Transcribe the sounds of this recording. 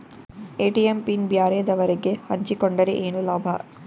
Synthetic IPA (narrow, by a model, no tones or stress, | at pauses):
eːʈiempinbjaːɾeːd̪ɐʋɐɾeɡehɐɲt͡ʃikoɳɖɐɾḛʔeːnulaːbʱɐ̰